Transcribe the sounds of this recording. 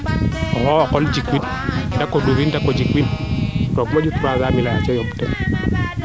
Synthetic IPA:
ɔhɔwakɔld͡ʒikwit | dakɔduɾindakɔd͡ʒikwintɔkmad͡ʒut̪ɾaɡamilajat͡ʃɛjɔmtɛ

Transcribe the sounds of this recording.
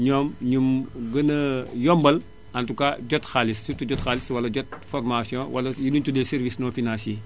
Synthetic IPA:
ɲɔːmɲumɡɐnɐjɔmbɐl | ɐntukaɟɔtxalissutuɟɔtxaːliswɐlɐɟɔt̚fɔrmasjɔ̃wʔɐlɐjuduntudɛlsɛɾvisnɔːfinãnsjeː

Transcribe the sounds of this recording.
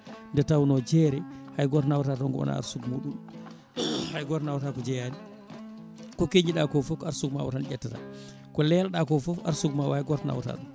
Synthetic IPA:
ndɛtawnɔd͡ʒɛɾɛhajɡɔɾtnawtatɔŋɡɔɔ̰na̰a̰ɾsuɡmuɗum | hajɡɔɾnawtakɔd͡ʒɛjadi | kɔkeɲd͡ʒiɗakɔfɔkaɾsukma̰wɔtand͡ʒɛtːata̰ | kɔlɛlɗakɔfɔfa̰ɾsukmawajɡɔɾtna̰wta̰tɔ

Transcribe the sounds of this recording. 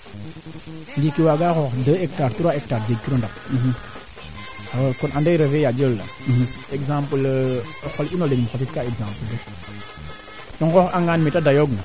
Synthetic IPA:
nɡikiwaɡaxoxdəek̚taɾtuɾaek̚taɾd͡ʒeɡ̚kiɾondap̚ | akunʔandeɾəvejad͡ʒəlːa̰ | eɡzãmpəlxolinolenimxofitkaeɡzãmpələ | dɔŋɡoxaŋɡanmitadajoɡna

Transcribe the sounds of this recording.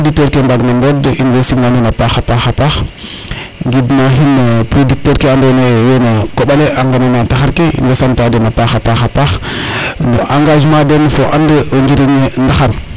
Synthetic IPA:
podik̚təɾkembaɡnembodinwesinanenapaxapaxapax | ŋɡidnaɦinpɾodik̚təɾkeandonejenakoɓaleaŋɡanenantaxaɾkeḭnɡesamtadenapaxapaxapax | no̰ʔaŋɡaʒmadenfoʔandəŋɡiɾiɲendaxaɾ

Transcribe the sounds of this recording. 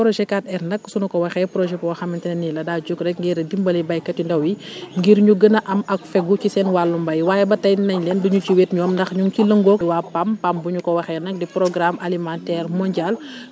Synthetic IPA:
pɾɔʒɛkat̚ɛrnɐksunɐkɔwɐxɛpɾɔʒɛpɔwɐxɐmɐntɛnɐnilɐdaːd͡ʒukɾɛk̚ŋɡiɾdimbɐlibɐjkɐtindɐwiŋɡiːɾɲuɡənɐʔɐmɐkfɛɡucisɛnwalːumbɐjwaːjɛbɐtɐjnɐɲlɛnduɲuciweːtɲɔːmndɐxɲuŋkilɐŋɡɔwaːpampambuɲukɔwɐxɛnɐk̚dipɾɔɡɾamʔalimãntɛːrmɔɲɟal

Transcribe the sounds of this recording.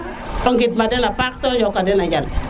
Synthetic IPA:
ɔŋɡitmadɛnapak̚tɔd͡ʒɔkadɛnad͡ʒal

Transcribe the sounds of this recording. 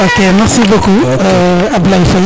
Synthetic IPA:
okemɛʁsiboku | ablaifɔl

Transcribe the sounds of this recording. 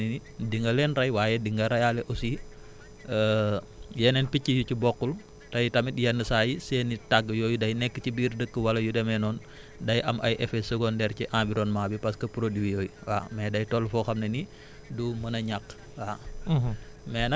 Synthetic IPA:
ninidiŋɡɐlɛnɾɐjwaːjɛdiŋɡɐɾɐjaːlɛʔɔsi | ə | jɛnɛnpicːijucibɔkːul | tɐjtɐmitjɐnːəsaːjiseːnːitaɡːjɔːjudɐjnɛkːəcibiːrdəkːəwɐlɐjudɛmɛnɔːn | dɐjʔɐmʔɐ̰jʔɛfɛsəɡɔndɛːɾciʔãmviɾɔnmaːbipɐskɐpuɾodiwijɔːjwa̰mɛdɐjtɔlfɔxɐmnɐni | dumɐnɐɲakː | wa | mɛːnɐ

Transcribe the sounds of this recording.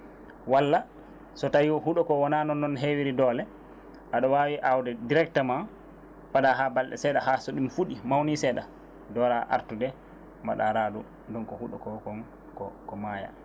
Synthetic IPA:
walːa | sɔtajiwɔɦuɗɔkɔwɔnanɔnːɔnɦewiɾidɔːlɛ | ʔaɗɔwawiʔawdɛdiɾɛk̚tama | faɗaɦabalɗɛ̰sɛɗaɦasɔɗimfuɗimawnisɛɗa | dɔɾaʔa̰ɾtudɛ | ma̰ɗa̰ɾaːdu | ndɔnkɔhuɗɔkɔkɔn | kɔkɔmaja̰

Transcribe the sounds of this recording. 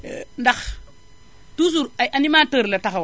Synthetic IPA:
ndax | tus̬uɾajʔanimatoɾlataxaw

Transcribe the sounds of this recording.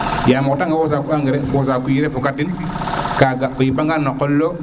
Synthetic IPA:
jamɔtaŋɡawos̬akuaŋɡeɾɛfosaːkujiɾefukatːin | kaɡaʔojipaŋɡanːokːolːo

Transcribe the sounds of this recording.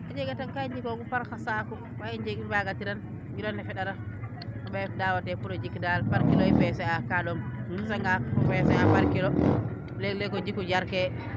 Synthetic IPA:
ad͡ʒɛɡataŋkaiɲd͡ʒikɔɡupaɾkasakɔ | waind͡ʒeɡibaɡatiɾan | ɡilɔnːɛfɛɗaɾa | aɓɛfdawatɛpuɾɔd͡ʒikdalpaɾkilɔifɛsɛakaɗɔmɡasaŋɡafɛsɛapaɾkilɔ | lɛlɛkɔd͡ʒikːud͡ʒaɾkɛ

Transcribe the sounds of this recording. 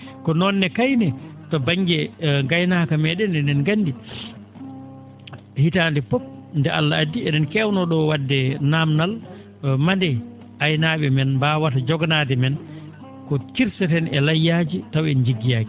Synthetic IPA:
kɔnɔnːɛkajnɛtɔbaŋɡɛŋɡajnakamɛɗɛnɛnɛnɡandi | hitaːndɛpɔp̚ndɛalːaadːiɛɗɛnkɛwnɔɗɔwadːɛnamnal | mandɛ | ʔajnaːɓɛmɛnbawatad͡ʒɔɡnaːdɛmɛn | kɔtiɾsɛtɛnɛlajːad͡ʒitawɛnd͡ʒiɡːijaːɡi

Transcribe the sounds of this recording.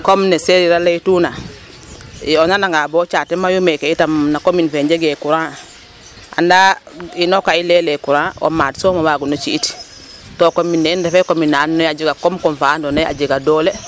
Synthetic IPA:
komneseɾiɾaleituna | ionanaŋɡabot͡ʃatemajumekeitamnakominfeɲɟeɡekuɾã | a̰ndainokailelekuɾão̰maːdsomabaːɡunot͡ʃiːti̥ | tokominːeindefekominaːnːojad͡ʒiɡakomkomfaːndonaja̰ɟiɡadoːle

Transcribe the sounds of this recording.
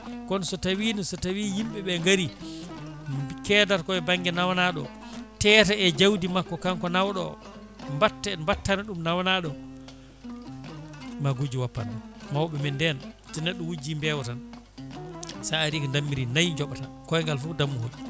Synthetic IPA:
kɔnsɔtawinisɔtawijimɓɛɓɛŋɡaɾi | kɛːdaɾkɔɛbaŋɡɛnawnaɗɔ̰ | tɛːtɛɛd͡ʒawdimakːɔkaŋkɔnawɗɔ̰ | mbatːɛmbatːanaɗumnawnaɗɔ | maɡud͡ʒiwapːanumawɓɛmɛndɛn | tɛnɛɗːɔwud͡ʒimbɛwtan | saaɾikɔndamːiɾinajɲd͡ʒɔɓatankɔɛŋɡalfudamːuhul

